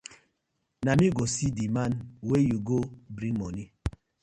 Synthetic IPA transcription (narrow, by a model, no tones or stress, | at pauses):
namiɡosidimanwejuɡobɾiŋmɔni